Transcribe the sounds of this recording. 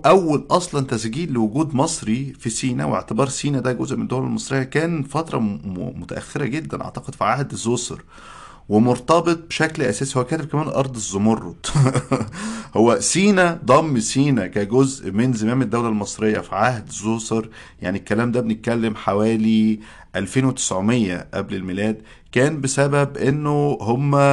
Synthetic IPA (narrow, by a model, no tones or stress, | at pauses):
ʔæwːælʔɑsˤlɑnt̪æsɡiːlːewoɡuːd̪mɑsˤɾifisiːnæ̰wḛʕt̪ebɑːɾˤsiːnæd̪æɡozʔmened̪æwlælmɑsˤɾejːɑkæːnfɑt̪ɾˤɑ̰mot̪æʔæ̰xːeɾæɡed̪ːænʔɑ̰ʕt̪ɑqed̪̥fiʕahd̪zosɑ̰ɾ | wemoɾt̪ˤɑbet̪̚ˤbeʃæklʔæsæːsihowækæːt̪eb̚kæmæːnlʔɑɾˤd̪ˤezːomorˤːo̰d̪ | howːæsiːnæd̪ˤɑmːsiːnækæɡozʔmenzemæːmed̪ːæwlælmɑsˤɾejːɑfiʕahd̪zːoːsɑɾˤ | ja̰ʕnikːælæːmd̪æbenet̪̚kælːemħawæːli | ʔælfeːnwet̪e̥sʕomejːæ̰ʔæblelmelæːd̪ | kæːnbesæbæbʔenːohomːæ